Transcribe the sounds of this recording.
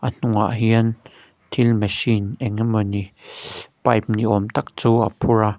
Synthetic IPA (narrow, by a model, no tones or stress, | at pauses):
ʔan̥ũaʔɦjiən | t̪ʰilmeʃinʔeŋeməni | pap̚niʔomt̪ak̚t͡suːapʰuɾa